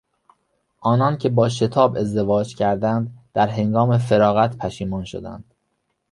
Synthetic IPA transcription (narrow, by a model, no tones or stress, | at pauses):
ʔɒːnɒːncʰe̞bɒːʃe̞t̪ʰɒːbe̞zd̪e̞vɒːd͡ʒcʰæɾd̪ænd̪d̪̥æɾɦe̞ŋɡɒːme̞fe̞ɾɒːɣæt̪ʰpʰæʃiːmɒːnʃo̰d̪æ̰nd̪̥